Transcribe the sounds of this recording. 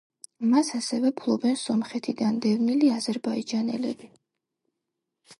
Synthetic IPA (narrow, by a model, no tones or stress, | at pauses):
masasɛvɛpʰlˠɔbɛnsɔmχɛt̪ʰid̪and̪ɛvniliazɛɾbaid͡ʒanɛ̰lɛbi